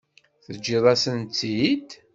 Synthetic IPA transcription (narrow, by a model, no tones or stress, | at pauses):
θəd͡ʒːɪðˤɑsənt̪ːid̪